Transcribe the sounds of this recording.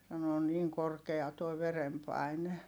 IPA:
sɑno on niːŋ korkeɑ toi ʋerempɑˑi̯ne

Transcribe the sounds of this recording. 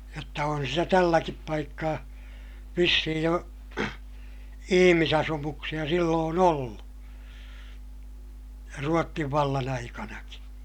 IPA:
jotːɑ on sitæ tælːækip pɑikːɑː ʋisːihij jo ihimisɑsumuksij̆ɑ silːoːn olːu ruotːiʋ ʋɑlːɑn ɑikɑnɑki

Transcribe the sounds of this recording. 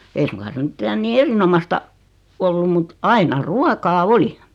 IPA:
ei suŋkɑ se mĭtːæ niː erinomɑstɑ olːum mut ɑinɑ ruɑkɑː oli

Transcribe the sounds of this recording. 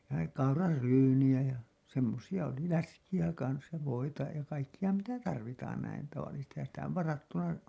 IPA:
jɑ kɑurɑrːyːnij̆æ jæ semːosijɑ oli læskijæ kɑns jɑ ʋoitɑ jɑ kɑikːijɑ mitæ tɑrʋitɑːn næin tɑʋɑlːisestihɑn sitæ oʋ ʋɑrɑtːɑʋɑ

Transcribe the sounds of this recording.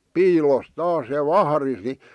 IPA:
piːlos tɑːs jɑ ʋɑhɑ̆ris ni

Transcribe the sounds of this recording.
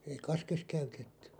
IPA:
ei kɑskes kæytetːy

